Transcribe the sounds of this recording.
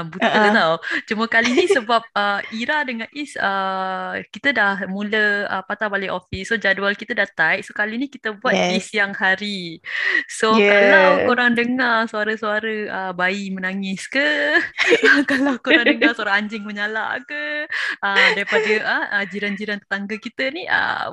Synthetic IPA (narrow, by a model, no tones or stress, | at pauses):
but̪ət̪awt͡ʃuməkalinisəbap̚əiɾadəŋanʔisə | kit̪ədahmũləə̰pat̪abaliʔofissod͡ʒadualkit̪ədaht̪aiʔsokalinikit̪əbuat̪̚isjaŋhaɾi | sokalawkoɾaŋdəŋarsuaɾəsuaɾəəbaimənaŋɪskə | kalawkoɾaŋdəŋarsuaɾaŋaɲd͡ʒɪŋməɲala̰ʔkəədaɾipadəəəd͡ʒiɾand͡ʒiɾant̪ə̥t̪aŋɡəkit̪əniʔə̰